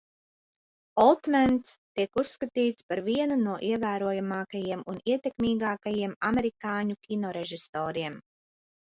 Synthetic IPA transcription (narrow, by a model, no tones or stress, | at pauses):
ɔlˠt̪mant̪st̪ikusːkat̪iːt̪spaɾviɛnunuɔʔiɛvæːɾuɔjamɑːkajiɛmuniɛt̪ʲekmʲiːɡɑːkajiɛmamɛɾikɑːɲukʲinɔɾɛʒist̪ɔːɾiɛm